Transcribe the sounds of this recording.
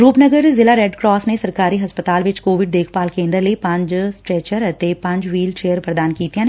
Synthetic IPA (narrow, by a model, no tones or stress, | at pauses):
ɾuːpnəɡəɾzɪlaːɾɛːɖkɾɔːsnesəɾkaːɾiːɦəspət̪aːlʋɪt͡ʃkoːʋɪɖd̪eːkʰpaːlkẽːnd̪əɾləipɐ̃ɲd͡ʒsʈɾɛːt͡ʃəɾət̪epɐ̃ɲd͡ʒʋiːlt͡ʃeːəɾpɾəd̪aːnkiːt̪ijãːne